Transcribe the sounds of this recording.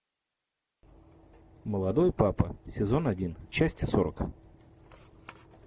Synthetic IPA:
məlˠɐd̪o̞jpapəsʲɪzo̞nɐdʲint͡ɕæsʲtʲɪso̞ɾək

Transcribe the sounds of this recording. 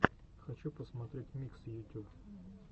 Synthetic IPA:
xɐt͡ʃupɔsmɐt̪ɾʲetʲmʲiksjʊtʲub

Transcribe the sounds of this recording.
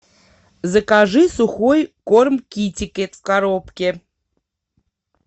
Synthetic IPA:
zəkaʐɨsuxojkormkʲitʲɪkʲet̪fkaɾopkʲe

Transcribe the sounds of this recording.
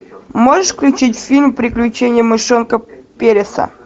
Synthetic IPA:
moʐəʂfklʲʉt͡ɕitʲfʲilʲmpɾʲɪklʲʉt͡ɕenʲɪjəmɨʂonkəpʲeɾʲɪsə̰

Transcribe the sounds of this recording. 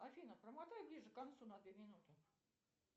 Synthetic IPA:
afʲinəprəmat̪ajʊblʲiʐɨkant̪sunɐd̪vʲemʲɪnut̪ɨ

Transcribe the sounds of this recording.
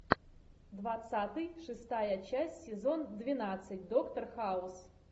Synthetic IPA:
d̪vat̪sat̪ɨjʂɨst̪ajɐt͡ʃasʲsʲɪzond̪vʲinat̪sɨtʲd̪okt̪ɐrxaus

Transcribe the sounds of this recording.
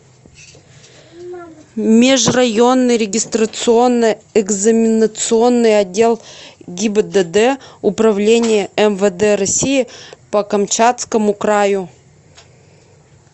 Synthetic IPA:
mʲɪʐrɐjo̞nːɨjɾʲɪɡʲɪst̪ɾət̪sɨo̞nːəɪɡzəmʲɪnət̪sɨo̞nːɨjɐdʲːe̞lˠɡʲɪbəd̪əd̪ɛʊpɾɐvlʲenʲɪjəɛmvəd̪ɛɾɐsʲijɪpəkɐmt͡ɕat̪skəmʊkɾajʊ

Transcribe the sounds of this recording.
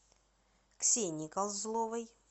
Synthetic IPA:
ksʲenʲikalˠzlˠovəj

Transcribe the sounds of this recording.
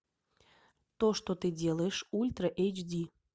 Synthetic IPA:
t̪oʃt̪ot̪ɨdʲeleʃulʲt̪rəʔejt͡ɕd̪ʲi

